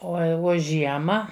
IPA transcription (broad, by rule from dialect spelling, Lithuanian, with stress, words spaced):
ˈoː ɐ ɪ ˈʋoː ˈʒʲiɛmɐ